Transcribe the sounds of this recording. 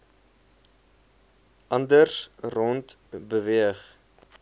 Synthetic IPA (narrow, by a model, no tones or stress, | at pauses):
ʔɐndərsrɔntbəviəχ